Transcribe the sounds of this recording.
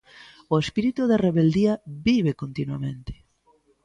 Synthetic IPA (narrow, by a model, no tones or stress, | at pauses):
oespiɾit̪uðereβeld̪iabiβekont̪inwamẽnt̪e̥